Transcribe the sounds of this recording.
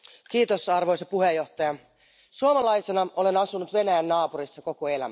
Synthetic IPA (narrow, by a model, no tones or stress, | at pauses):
k̟iːt̪osɑrʋojsɑpuɦejːo̞ht̪ɑjɑ | suomɑlɑjsenɑʔo̞le̞nɑsunut̪ʋe̞næjænːɑːpuɾisːɑko̞koelæ̰mæ